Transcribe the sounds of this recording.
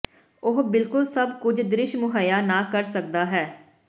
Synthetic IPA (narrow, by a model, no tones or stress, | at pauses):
ʊɦbɪlkʊlsəbkʊd͡ʒd̪ɾɪʃmʊɦaːjaːnãːkəɾsək̚d̪aːɦɛː